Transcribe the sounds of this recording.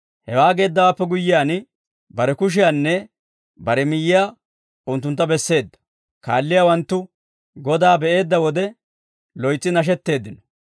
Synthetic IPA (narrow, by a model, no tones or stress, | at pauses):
hɛwaːɡe̞ːd̪ːɐwaːpːɛɡʊjːɪjaːn | bɐɾɛkʊʃ̬ɪjanːɛ | bɐɾɛmɪjːɪjaː | ʊnt̪ːʊnt̪ːɐbɛsːe̞ːd̪ːɐ̥ | ka̰ːlːɪjawɐnt̪ːʊ | ɡɔd̪aːbɛʔe̞ːd̪ːɐwɔd̪ɛ | lɔjt͡sːɪnɐʃ̬ɛt̪ːe̞ːd̪ːɪnɔ̥